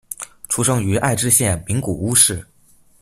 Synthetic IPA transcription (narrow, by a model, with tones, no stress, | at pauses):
ʈ͡ʂʰu˧˥ʂɤ˥ŋy˧˥ʔa̰˥˧ɪʈ͡ʂɻ̩˥˧ɕjɛ˥˩nmi˧˥ŋku˨˩u˥ʂɻ̩˥˩